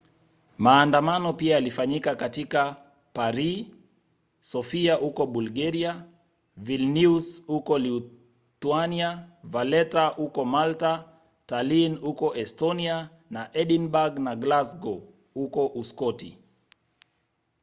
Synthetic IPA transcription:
maːndamanɔpiajalifaɲikakatika | paɾi | sɔfiahukɔɓulɡaɾia | vilniusukɔliu | tuaniavalɛtahukɔmalta | talinhukɔʔɛstɔnia | naʔɛɗinbaɡnaɡlasɡɔ | hukɔʔuskɔtḭ

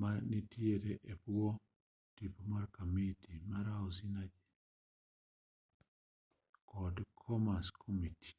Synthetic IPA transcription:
manitieɾɛʔepuo | tipumaɾkamitimaɾaɔsinad͡ʒɛ | kɔdkʰɔmaskʰɔmiti̥

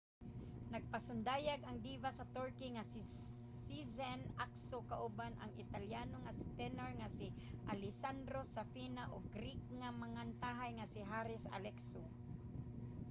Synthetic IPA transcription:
naɡ̚pasʊnd̪aːjaɡaŋd̪ivasɐt̪ɔɹkiŋasisizɛnaksokaʔʊbanʔa̰ŋɪt̪aljanoŋasi̥t̪ɛnoɹŋasiʔalɪsand̪ɾosafinaʔoɡɾik̚ŋamaŋant̪aɦajŋasiɦaɾɪsa̰lɛkso

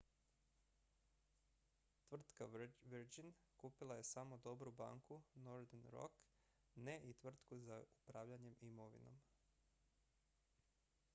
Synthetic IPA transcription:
t̪ʋr̩t̪kaʋiɾd͡ʒinkuːpilˠaje̞saːmo̞d̪o̞bɾuba̰ːŋkunoɾd̪enɾo̞̰k | neʔit̪ʋr̩t̪kuzaupɾaːʋʎaɲe̞mimo̞ʋḭno̞̰m

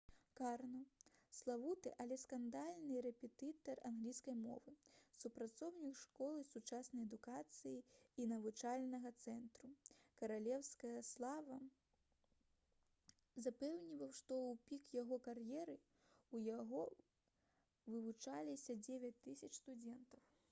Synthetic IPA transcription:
karnɐslˠavut̪ɨʔalʲɛskand̪alʲnɨɾɛpʲɛt̪ɨt̪ɐranɣlʲijskɐjmɔ̰vɨsupɾat̪sɔwnʲikʂkɔlˠɨsut͡ʂasnɐjɛd̪ukat̪sɨjiinɐvut͡ʂalʲnɐɣɐt̪sɛnt̪ɾukɐɾalʲɛwskɐjɐslˠavɐ | zapɛwnʲivɐwʂt̪ɔupʲikjaɣɔkarjɛɾɨ | ujaɣɔ | vɨvut͡ʂalʲisʲɐd͡zʲevʲɐt͡sʲt̪ɨsʲɐt͡ʂst̪ud͡zʲɛnt̪ɐw

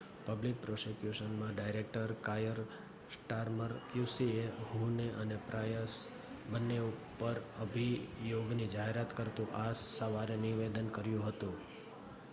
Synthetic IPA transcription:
pəblik̚pɾosikjuʃənmãɖajɾek̚ʈəɾkajəɾ | sʈaɾməɾkjusieɦuneʔənepɾajəs | bənːeupːəɾəbʱijoɡnid͡ʒaɦeɾat̪kəɾt̪ũʔasːəʋaɾeniʋed̪ənkəɾjũɦət̪ũ

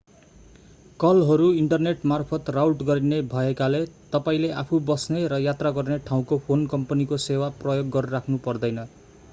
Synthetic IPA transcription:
kʌlɦʌɾuiɳʈʌrneʈmarpʰʌt̪rawʈɡʌɾinebʱʌekalet̪ʌpaĩleapʰubʌsneɾʌjat̪raɡʌrneʈʰaw̃kopʰonkʌmpʌnikosewaprʌjoɡːʌɾrakʰnupʌrd̪ʌjnʌ

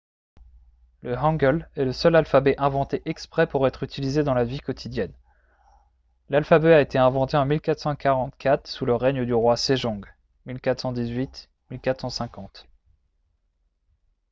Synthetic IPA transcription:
ləɦɑ̃ɡəlɛləsœlalfabɛʔɛ̃vɑ̃t̪eʔɛkspχɛpuʁɛt̪χyt̪ʰilized̪ɑ̃lavikɔt̪ʰid̪jɛn | lalfabɛaet̪eɛ̃vɑ̃t̪eɑ̃milkat̪χsɑ̃kaʁɑ̃t̪kʰat̪χsuləʁɛɲəd̪yʁwaseʒɔ̃ɡ | milkat̪χsɑ̃d̪izɥit̪ | milkat̪χsɑ̃sɛ̃kɑ̃t̪

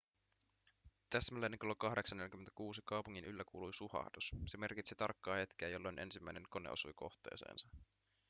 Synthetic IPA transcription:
t̪æsmælːeneŋkolokɑhde̞ksɑnːelʲjkymːet̪ækuːsikɑwpuŋːinʔylːækuːlujsuhɑ̰hdusse̞me̞rkit̪sit̪ɑ̰rkːɑːhe̞t̪k̟eːjo̞lːojnʔe̞̰nsimːæjne̞ŋko̞nḛo̰sujko̞̰xt̪e̞̰ːse̞̰ːnsɑ

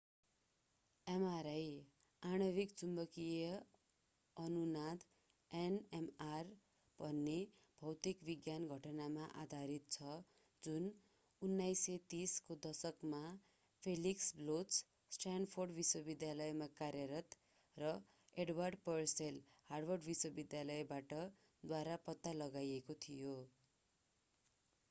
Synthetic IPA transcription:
emaɾʌj | aɽ̃ʌbikt͡sumbʌkijʌ | ʌnunad̪ | enemar | b̥ʱʌnːe | bʱʌwt̪ikbiɡjanɡʱʌʈʌnamaʔa̰d̪ʱaɾit̪̚t͡sʰʌ | d͡zun | unːajset̪iskod̪ʌsʌkma | pʰeliksblot͡s | sʈranɖpʰorɖbiswʌbid̪jalʌjmakaɾjʌɾʌt̪ | rʌ | eɖwarɖpʌrsel | harbʌrɖbiswʌbid̪jalʌebaʈʌ | d̪waɾapʌt̪ːalʌɡajekot̪ʰijo

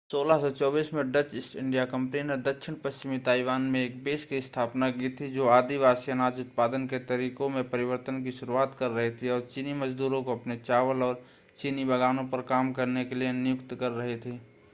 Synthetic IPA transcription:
soːlaɦsɔt͡ʃɔːbiːsmẽɖət͡ʃɪsʈɪ̃ɳɖijakɐ̃mpnined̪əkʃʰɪnpəst͡ʃɪmit̪aːɪʋaːnmẽeːk̚beːskiɪst̪ʰaːpnakit̪ʰid͡ʒoːaːd̪iʋaːsijənaːd͡ʒʊt̪̚paːd̪ənket̪ɐɾiːkõmẽpɐɾɪʋəɾt̪ənkiʃʊɾuaːt̪kɐɾːɐɦet̪ʰiɔːɾt͡ʃiniməd͡ʒd̪uːɾõkoɐpnet͡ʃaːʋəlɔːɾ | t͡ʃinibəɡaːnõpɐɾkaːmkɐɾnekelienɪjʊkt̪kɐɾːɐɦet̪ʰiː

